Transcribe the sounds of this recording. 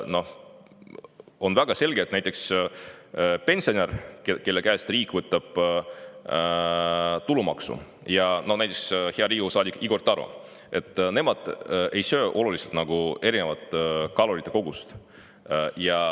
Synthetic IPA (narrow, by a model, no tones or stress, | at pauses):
no̞ | o̞nvæɡ̥ɑse̞lʲɡeːt̪næjt̪ːˑe̞ks | pe̞nʲsio̞nerkeke̞lːe̞kæest̪riːkvɤt̪ːˑɑb̥ | t̪ulumɑ̰ksṵ | jɑno̞næjt̪ːˑeksheɑɾiːɡusɑːd̪ʲikiɡo̞rt̪ˑːɑɾṵ | e̞t̪ːˑne̞mɑd̪̥e̞jsø̞ːʔo̞luliselt̪nɑɡ̥ue̞ɾine̞vɑt̪ːˑkɑlo̞ɾit̪ːˑe̞ko̞ɡ̥ust̪ | jɑ